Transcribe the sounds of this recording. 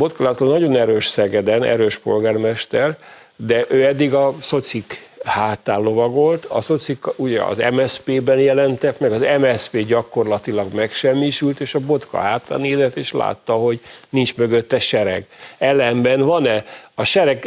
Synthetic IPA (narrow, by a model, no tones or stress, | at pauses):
bo̞t̪kɒlaːt̪ːolnɒɟo̞nɛɾøːʃsɛɡɛd̪ɛnɛ̰ɾøːʃpo̞lɡaːrmɛʃt̪ɛr | d̪ɛʔøːɛd̪ːiɡɒso̞t̪sikhaːt̪aːllo̞vɒɡo̞lt̪ɒ̰so̞t̪sikuɟɛɒ̰zɛ̰mɛspeːbɛnjɛlɛnt̪ɛk̪mɛɡɒzɛmɛspeːɟɒkːo̞rlɒt̪ilɒɡmɛkʃɛmːiʃylt̪eːʃɒbo̞t̪kɒ̰ɦaːt̪ːa̰ːneːzɛt̪ːeːʃla̰ːt̪ːɒɦo̞ɟnint͡ʃmøɡøt̪ːɛʃɛɾɛ̰ɡɛlɛmbɛnvɒnɛɒʃɛɾɛɡ